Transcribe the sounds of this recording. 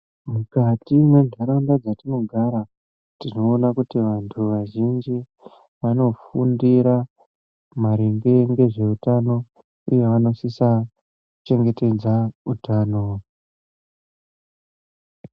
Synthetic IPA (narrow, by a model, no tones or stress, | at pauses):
mukatimwe̞ʐʱaɾandad͡zatino̞ɡʱaɾa | tino̞ːnakutiʋantʰuʋaʒind͡ʒi | ʋano̞fundiɾa | maɾeŋɡe̞ŋɡe̞ʐe̞utano̞ | ujeʋano̞sisa | t͡ʃe̞ŋɡe̞te̞d͡zautaːno̞